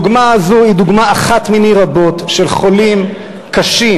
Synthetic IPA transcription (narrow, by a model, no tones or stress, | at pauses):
ɡmaazoid̪uɡmaːχat̪miniʁabo̞t̪ʃe̞lχo̞lim | kaʃi